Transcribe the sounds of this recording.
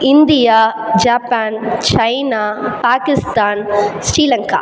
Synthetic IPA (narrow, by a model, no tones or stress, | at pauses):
ɪnd̪ɪjaːd͡ʒaːpaːnt͡ʃɐɪnaːpaːkɪst̪aːnsɾiːlɐŋka̰ː